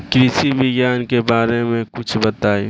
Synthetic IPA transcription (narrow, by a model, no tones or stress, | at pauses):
kɾɪsibɪɡjaːnkebaːɾemẽkʊt͡ʃʰbɐt̪aːi